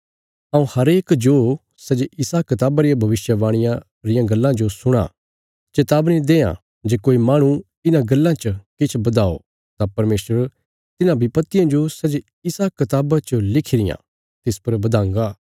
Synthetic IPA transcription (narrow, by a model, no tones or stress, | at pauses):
ãːũhɐɾeːkd͡ʒoː | sɐd͡ʒɪsaːkɐt̪aːbaɾɪjãbʱɐʋɪʃjəʋaːɽ̃ɪ̃jã | ɾɪjãɡɐlːãd͡ʒosʊɽ̃a̰ | t͡ʃɐt̪aːbnĩd̪eːã̰ | d͡ʒeːkoːimaːɽ̃ũ | ɪnãɡɐlːãt͡ʃəkɪt͡ʃʰbɐd̪aːo̰ | t̪ãpɐɾmeːsəɾ | t̪ɪnãbʱipɐt̪ːɪjãd͡ʒosɐd͡ʒ | ɪsakɐt̪aːbat͡ʃolɪkʰɪɾɪjã̰ | t̪ɪspɐɾbɐd̪ãːŋɡaː